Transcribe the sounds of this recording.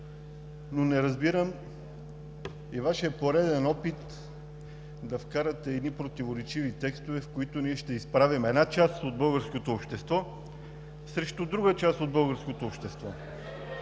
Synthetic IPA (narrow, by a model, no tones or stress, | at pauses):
nonɛɾɐzbiɾəm | ivaʃɛpoɾɛd̪ɛnɔpit̪ | d̪ɐfkaɾɐt̪ɛːd̪nipɾot̪ivoɾɛt͡ʃivit̪ɛkst̪ovɛfkoit̪ʊniɛʃt̪ɛispɾavimɛd̪nat͡ʃast̪od̪̚bɤlˠɡəɾskot̪oːpʃt̪ɛst̪vɔ | sɾɛʃt̪od̪ɾuɡət͡ʃast̪od̪̚bɤlˠɡəɾskot̪oːpʃt̪ɛst̪vɔ